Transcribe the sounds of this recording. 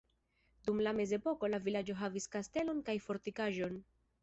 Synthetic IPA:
dumlame̞ze̞po̞ko̞lavilad͡ʒo̞ɦaviskaste̞lo̞nkajfo̞ɾtikaʒo̞n

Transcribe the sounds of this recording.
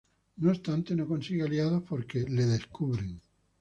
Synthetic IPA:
noost̪ant̪e̞no̞konsiɣealjaðohpoɾkeleðeskuβɾeŋ

